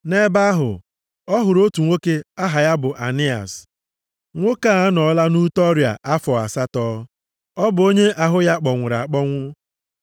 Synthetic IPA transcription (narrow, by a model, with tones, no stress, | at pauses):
ne˦ba˦a˦ɦʊ̰˨ | ɔ˦ɦʊ˨ɾo˦tu˨ŋʷo˦ke˦a˦ɦa˨ja˦bʊ˨ʔa˨nɪ˦a̰˨s | ŋʷo˦ka˦˨˦nɔ˨˦la˦nu˦tɔ˦ɾja̰˨ʔa˦fɔ˨a̰˨sa˦tɔː˦ | ɔ˦bʊ˨o˦ɲe˦ʔa˨ɦʊ˦ja˦k͡pɔ˨ŋʷʊ˨ɾa̰˨k͡pɔ˦ŋʷʊ˦